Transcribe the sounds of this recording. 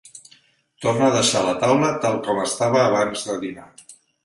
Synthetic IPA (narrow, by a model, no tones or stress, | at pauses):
t̪ornəːðəʃalət̪awlət̪alˠkɔməst̪aβəːβ̞anzðəðina